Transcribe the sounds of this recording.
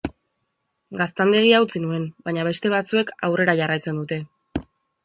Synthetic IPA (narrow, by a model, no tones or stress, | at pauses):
ɡast̪and̪e̞ɣ̞iawt͡sinue̞nbaɲaβe̞st̪e̞β̞at͡sue̞kawre̞ɾaʝarajt͡se̞nd̪ut̪e̞